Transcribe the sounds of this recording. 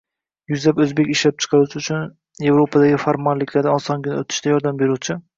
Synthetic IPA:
jʊzlapɵzbe̞kʲɪʃlap̚t͡ʃʰɨ̥qʰɑɾut͡ʃʰɪʊt͡ʃʰʊn | je̞vɾopʰad̪aɡʲɪfaɾmɒnlɪkʰʲlaɾd̪aɒnsɒŋɡʲɪnɪɵt̪ʰɪ̥ʃt̪ajɒɾd̪ambe̞ɾut͡ʃʰɪ

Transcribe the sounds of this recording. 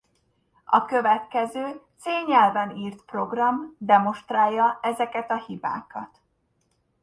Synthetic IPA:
ɒkø̞vɛt̪kɛzøːt̪seːɲɛlvɛniːrt̪pro̞ɡrɒmd̪ɛmo̞ʃt̪raːjːɒɛzɛkɛt̪ɒhiba̰ːkɒt̪

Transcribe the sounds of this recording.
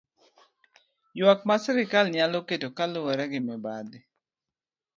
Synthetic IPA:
jwakmasɛɾɪkalɲaloketokalʊwɛɾɛɡɪmɛbad̪ɪ

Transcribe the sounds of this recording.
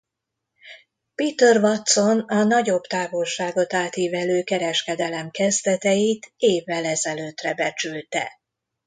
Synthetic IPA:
piːt̪ørvɒt̪so̞nɒnɒɟo̞bt̪aːvo̞lʃaːɡo̞t̪aːt̪jiːvɛløːkɛɾɛʃkɛd̪ɛlɛmkɛzd̪ɛt̪ɛjit̪eːvːɛlɛzɛløːt̪rɛbɛt͡ʃylt̪ɛ̰

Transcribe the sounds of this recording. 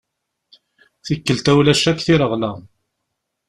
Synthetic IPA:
θikːəlt̪æwlæʃækθiɾəʁlæ

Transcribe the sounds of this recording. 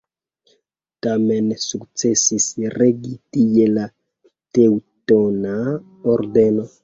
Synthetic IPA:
tamɛnsukt͡sesisireɡitijela | teutona | ɔrdɛno

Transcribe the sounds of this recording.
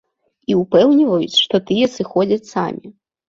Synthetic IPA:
iupɛwnʲivɐjut͡sʲʂt̪ɔt̪ɨjɛsɨxɔd͡zʲɐt͡sʲsa̰mʲi

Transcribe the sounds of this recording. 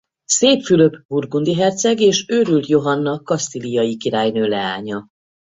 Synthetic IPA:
seːpfylø̞pburɡund̪iɦɛrt̪sɛɡeːʃøːɾylt̪jo̞ɦɒnːɒkɒst̪ilijɒjikiɾaːjnøːlɛaːɲɒ

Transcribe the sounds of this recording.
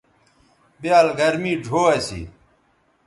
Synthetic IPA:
biaːlɡɐɾmiːɖʱoːɐsḭː

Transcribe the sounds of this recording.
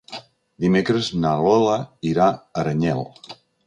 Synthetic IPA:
d̪imekɾəznalɔlaiɾaəɾəɲɛlˠ

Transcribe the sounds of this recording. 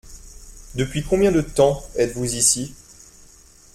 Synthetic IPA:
d̪əpɥikɔ̃bjɛ̃d̪ət̪ɑ̃ɛt̪vuzisi

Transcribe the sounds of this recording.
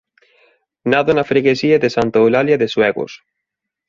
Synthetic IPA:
naðonafɾeɣesiaðesant̪owlaljaðeswɛɣʊ̰s

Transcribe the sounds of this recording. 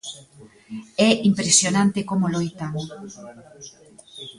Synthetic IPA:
ɛʔimpɾesjonãnt̪ekomolojt̪a

